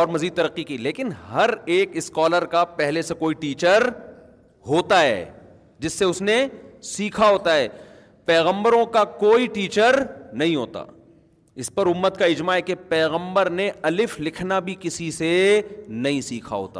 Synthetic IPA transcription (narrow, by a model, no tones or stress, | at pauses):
ɔːɾmɐziːd̪̚t̪ɐɾəqːikileːkɪnɦɐɾeːkɪskɔːləɾkapɛɦlesekoːiʈiːt͡ʃəɾ | ɦoːt̪aɦɛ̰ː | d͡ʒɪsːeʊsnesiːkʰaɦoːt̪aɦɛː | pɛːɣə̃mbəɾõkakoːiʈiːt͡ʃəɾnɐɦĩɦoːt̪a̰ː | ɪspɐɾʊmːət̪kaɪd͡ʒmaɦɛkepɛːɣə̃mbəɾneɐlɪflɪkʰnabʱikɪsisenɐɦĩsiːkʰa̰ɦo̰ːt̪a̰ː